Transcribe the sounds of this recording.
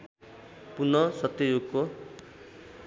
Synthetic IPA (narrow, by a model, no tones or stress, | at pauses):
punʌsʌt̪ːijuɡko